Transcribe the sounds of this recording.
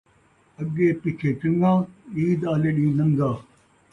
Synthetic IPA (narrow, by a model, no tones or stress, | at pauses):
ɐɡːeːpɪkʰeːt͡ʃɐŋɡãːiːd̪aːleːɗĩːnɐ̃ŋɡaː